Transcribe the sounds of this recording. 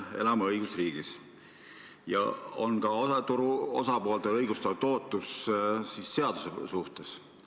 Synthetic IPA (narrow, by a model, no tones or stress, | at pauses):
e̞̰lɑmeɤjɡ̥ust̪riːɡ̥is | jɑ̰o̞̰nkɑot̪uɾuo̞̰sɑpo̞ːlt̪eɤjɡ̥ust̪ɑt̪o̞ːt̪ːˑussisːe̞ɑd̪̥usesuht̪e̞s